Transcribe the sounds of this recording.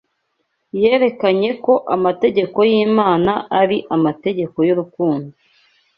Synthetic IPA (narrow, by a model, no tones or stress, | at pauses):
je̞ːɾe̞kaɲe̞ko̞ʔamate̞ɟe̞ko̞jiːmaːnaʔaɾiʔamate̞ɟe̞ko̞juɾukuːndo